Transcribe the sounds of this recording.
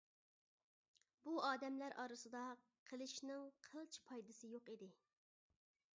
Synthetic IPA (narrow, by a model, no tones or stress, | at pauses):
buɑːd̪ɛmlæɾʔɑɾɨsɨd̪ɑ | qʰəlˠɨʃnɪŋqʰəlˠt͡ʃʰi̥pʰɑjd̪ɨsɨjoqid̪ɪ